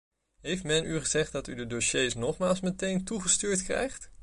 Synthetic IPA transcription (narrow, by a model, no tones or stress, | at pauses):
ɦejftmɛnʔyχəzɛχt̚dɑtydədoʃejsnɔχmaːlˠsmətejntuχəstyːɹtkrɛ̰jχt